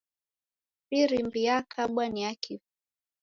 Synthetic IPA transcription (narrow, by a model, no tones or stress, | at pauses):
siɾimbiakʰaɓwaniakʰif